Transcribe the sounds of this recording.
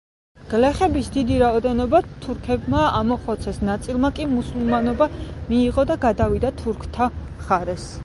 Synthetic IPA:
ɡ̥lɛχɛbisd̪id̪iɾaɔd̪ɛnɔbat̪ʰuɾkʰɛbmaamɔχɔt̪sʰɛsnat̪sʼilˠmakʼimusulˠmanɔbamiːʁɔd̪aɡad̪avid̪at̪ʰuɾkʰt̪ʰa | χaɾɛs

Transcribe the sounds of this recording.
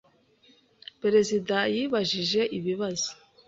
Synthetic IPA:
peɾe̞zidajiːβaʒiʒe̞ʔiβiβazo̥

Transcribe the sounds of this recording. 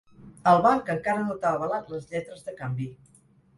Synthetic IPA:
əlˠβaɾkəŋkaɾənut̪aəβəlat̪ləzʎɛt̪ɾəzðəkambi

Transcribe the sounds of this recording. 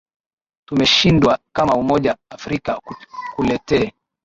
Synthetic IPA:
tumɛʃindwakamaumɔʄaːfɾikakkulɛtɛː

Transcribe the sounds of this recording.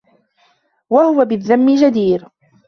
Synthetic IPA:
wahʊwabɪðːamːɪd͡ʒad̪iːɾ

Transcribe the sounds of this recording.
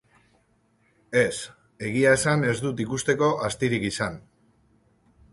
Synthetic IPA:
e̞s | e̞ɣ̞iaesane̞zd̪ut̪ikust̪e̞ko̞ʔast̪iɾikisan

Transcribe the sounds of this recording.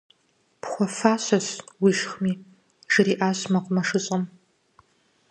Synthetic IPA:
pχʷɔfaːɕɐswiʃχmiː | ʒɨriːʔaːɕmɐqʷʼʊmɐʂɨɕʼɐm

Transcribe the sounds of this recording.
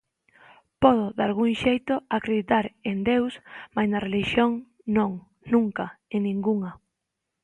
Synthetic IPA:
pɔðoðalɣuŋʃejt̪oakɾeðit̪aɾend̪ewsmajznareliʃjoŋ | nõŋ | nũŋkaenːĩŋɡuŋa

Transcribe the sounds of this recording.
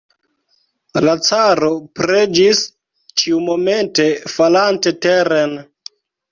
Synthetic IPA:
lat͡saɾo̞pɾed͡ʒis | t͡ʃiumo̞me̞nte̞falante̞teɾen

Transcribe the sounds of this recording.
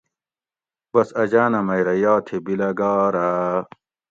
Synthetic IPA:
b̥ɐsɐd͡ʑaːnɐmɐjɾɐjaːt̪ʰebilɐɡaːɾa

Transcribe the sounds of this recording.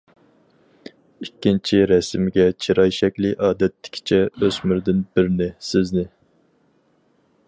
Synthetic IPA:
ikʲːint͡ʃʰiɾɛsɪmɡʲɛt͡ʃʰiɾɑjʃɛkʲlɪʔɑːd̪ɛt̪ʰːɪ̥kʲʰi̥t͡ʃʰɛøzmyɾd̪ɪnbɪɾnɪsɪznɪ

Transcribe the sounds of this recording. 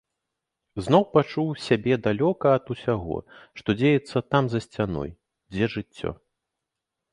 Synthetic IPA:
znɔwpat͡ʂuwsʲabʲɛd̪alʲɔkɐːt̪usʲaɣɔ̰ʂt̪ɔd͡zʲejɛt̪sːɐt̪amzɐsʲt͡sʲanɔ̰j | d͡zʲɛʐɨt͡sʲːɔ̰

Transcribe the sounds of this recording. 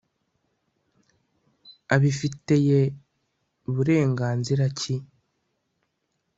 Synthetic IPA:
aβifite̞je | uβuɾe̞ːŋɡaːnziɾaci

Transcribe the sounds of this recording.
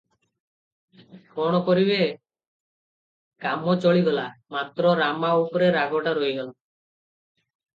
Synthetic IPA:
kɔɽ̃ɔkɔɾibe | kamɔt͡ʃɔɭiɡɔlamat̪ɾɔɾamaupɾeɾaɡʱɔʈaɾojɡala

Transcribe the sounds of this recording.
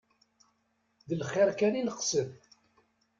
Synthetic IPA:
ðəlχːɪɾkæninəqsən

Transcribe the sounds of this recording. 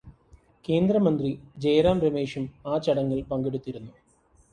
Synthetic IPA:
ke̞ːnd̪ɾɐmɐnd̪rid͡ʑejɾaːmɾɐmeːʂumaːt͡ɕɐɽɐŋːɐɭpɐŋɡeɽut̪ːiɾunːu

